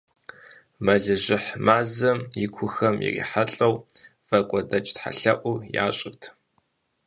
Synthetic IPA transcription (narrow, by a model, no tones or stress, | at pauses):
mɐɮɨʑɪħmaːzɐmjikʷʰʊxɐmjɪ̰rḭːħaɬʼɐw | v̥ɐkʷʼɔdɐt͡ʃʼtħa̰ɬɐʔʷʊja̰ːɕʼɪrtʰ